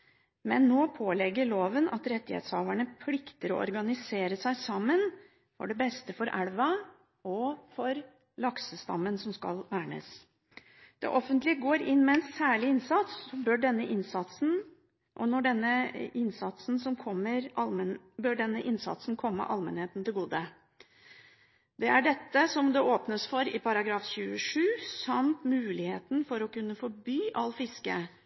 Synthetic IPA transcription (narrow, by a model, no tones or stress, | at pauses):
mɛnːoːpʰoːlɛɡːəɭoːʋənɑt̪ɾɛt̪ːɪhḛːt̪shɑːʋæɳəpʰlɪkt̪əɾɔɔ̰ɾɡɑnɪseːɾəsæɪsɑmːən | fɔ̰ɖɛbɛst̪əfɔɾʔæɽʋɑ | ɔfɔɾ | lɑksəst̪ɑ̰mːənsɔmskɑ̰lʋæːɳə̰s | d̪̥ɛ̰ʔɔfənt̪lɪəɡoːɾɪnːmɛnsːæːɭɪɪnsɑt̪sɔbœɖɛnːəʔɪnsɑt̪sn̩ | ʔɔnɔɖɛnːəɪnsɑt̪sn̩sɔmkʰɔmːəɾʔɑlm | bœɖɛnːəʔɪnsɑ̰t̪sn̩kʰɔmːə̰ʔɑlmɛnheːt̪n̩t̪ɪlɡuːd̪ə | d̪̥ɛæɖɛt̪ːəsɔmd̪ɛʔoːpnəsfɔɾɪpʰɑɾɑɡɾɑːfɕʉːəʂʉːsɑmt̪mʉːlɪheːt̪n̩fɔɾɔkʉnːəfɔɾbyːʔɑlːfɪskə